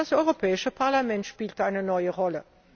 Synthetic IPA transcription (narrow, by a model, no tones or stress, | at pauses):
ɐsɔʏʁopʰɛːɪʃəpʰaʁlamɛntʃpiːltʔaɪnənɔʏəʁɔlə